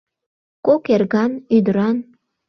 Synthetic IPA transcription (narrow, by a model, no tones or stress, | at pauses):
kokerɣɑnyd̪əɾɑn